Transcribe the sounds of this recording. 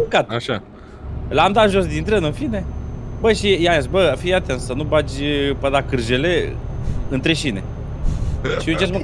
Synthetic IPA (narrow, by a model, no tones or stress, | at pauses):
kat̪aʃa | laːmd̪at̪ʒosd̪int̪ɾenɨnfinebəʃijanesbəfijat̪enssənubat͡ʃʲpəd̪akɨrʒele | ɨnt̪ɾeʃine | ʃiunt͡ʃesmə